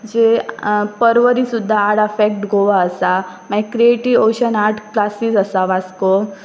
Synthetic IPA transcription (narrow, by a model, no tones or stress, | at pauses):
d͡ʑepəɾʋəɾisud̪ʱːaːɽafɛk̚ʈɡʱoʋaəsa | maikɾieʈiʋoɕənaʈʰklasiːd͡zəsaʋasko